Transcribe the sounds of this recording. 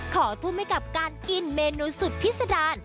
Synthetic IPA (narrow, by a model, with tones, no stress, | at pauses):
kʰɔː˩˦t̪ʰu˧mha˧jka˨˩p̚kaː˧nki˧nmeː˧nuː˧su˨˩t̪̚pʰi˦˥t̪̚sa˧daː˧n